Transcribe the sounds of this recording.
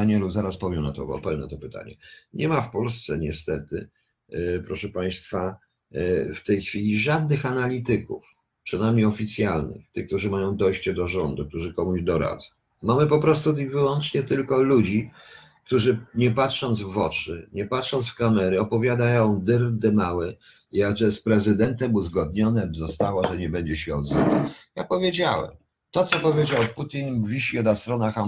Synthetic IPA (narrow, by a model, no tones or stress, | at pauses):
aɲɛluzaɾaspɔvʲjɛwna̰t̪ɔ̰bɔ̰pɛwna̰t̪ɔpɘt̪a̰ɲɛ̰ɲɛmafpɔls̬t̪sɛɲɛst̪ɛt̪ɘ̰ | pɾɔʂɛpaj̃st̪fa | ft̪ɛjxfʲilʲiʐad̪̚nɘxanalʲit̪ɘkṵf | pʂɨnajmɲeɔfʲit̪sʲjalnɘ̰xt̪ɘk̚t̪uʐɘmajɔ̃w̃d̪ɔjɕt͡ɕɛd̪ɔʐɔnd̪ukt̪uʐɘkɔmuʑd̪ɔɾa̰d̪zɔ̃w̃mamɘpɔpɾɔst̪uivɘwɔnt͡ʂɲɛt̪ɘlkɔlud͡ʑi | k̚t̪uʐɘɲɛpatʂɔnd̪zvɔt͡ʂɘ̰ɲɛpatʂɔnsfkamɛɾɘɔpɔvʲjad̪ajɔ̃w̃d̪ɘɾd̪ɛmawɛ | ijaɡʐɛspɾɛzɘd̪ɛnt̪ɛmuzɡɔd̪̚ɲɔnɛzɔst̪awɔʐɛɲɛbɛɲd͡ʑɛɕɛɔd̪zɛna̰japɔvʲjed͡ʑawɛ̰m | t̪ɔt̪sɔpɔvʲjed͡ʑawput̪ʲinvʲiɕiɔd̪ast̪ɾɔnaxa